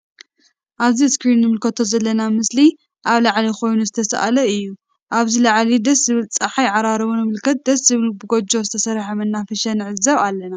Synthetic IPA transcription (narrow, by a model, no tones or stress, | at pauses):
ʔaβziskɾinːɨmɨlkʰɐt̪ʰo̞zɐlːɐnamɨsli | ʔaβlaʕliko̞jnuzɨt̪ʰɐsa̰ʔa̰lɐɨjːu | ʔaβzilaʕlid̪ɐszɨβɨlt͡sʼaħajʕaɾaɾɐβunɨmɨlkʰɐt̪̚d̪ɐszɨβɨlbɨɡod͡ʒo̞zɨt̪ʰɐsɐɾħɐmɐnːafɐʃɐnʕɨzɐβalːɐna